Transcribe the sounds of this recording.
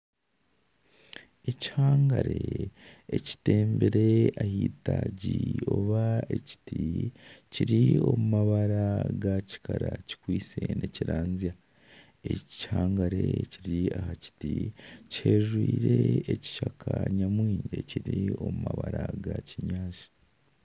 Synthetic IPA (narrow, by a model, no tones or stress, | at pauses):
eci̥haːŋɡaɾe̞eci̥te̞ːmbeɾe̞ahiːtaɟio̞βaeci̥ticiɾio̞mumaβaɾaɡaci̥kaɾaci̥kwiːt͡senʔeciɾaːnzija | e̞haːŋɡaɾe̞ciɾiahaci̥tiche̞ːʒwiːɾeːci̥ʃakʰaɲamwiːɲɟeciɾio̞mumaβaɾaɡaciɲaːʃḁ